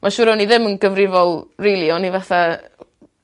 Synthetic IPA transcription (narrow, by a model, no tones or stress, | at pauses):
mʔaʃʊɾɔniðɪmənɡəvrɪvɔlˠrilˠiɔnivaθa